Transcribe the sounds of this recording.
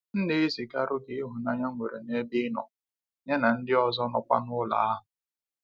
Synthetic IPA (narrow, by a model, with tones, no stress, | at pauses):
n̩˦ne˦i˦zi˨ka˦ɾʊ˦ɡɪ˦ɦu˨na˦ɲa˦ŋʷe˨ɾḛ˨ne˦bi˦nɔ̰˨ | ɲe˦na˨n̩˦dɪ˦ɔ˨zɔ˦nɔ˨kʷa̰˦nʊ˦la̰˨a˦ɦʊ˨